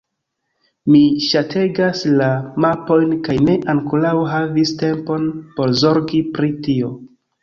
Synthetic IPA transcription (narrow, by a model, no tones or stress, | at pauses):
miʃatʰe̞ɡaslamapo̞jnkajne̞ʔaŋkulawɦaviste̞mpo̞npo̞ɾzo̞ɾɡipɾitio̞